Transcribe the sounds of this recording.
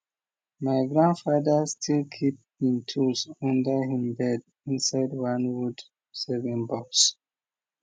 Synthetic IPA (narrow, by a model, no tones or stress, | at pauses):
maɪɡɹãndfadəstʰilkʰip̚hĩmtʰusɔ̃ndəhĩmbɛd | ĩnsaɪdwãnwud | sɛvĩnbɔks